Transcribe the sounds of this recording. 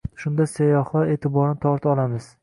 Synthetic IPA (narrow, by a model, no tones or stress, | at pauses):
ʃʊnd̪asajɒhˠɒe̞ːt̪ʰɪbɒɾnɪt̪ʰɒɾt̪ʰɒlˠamɪz̥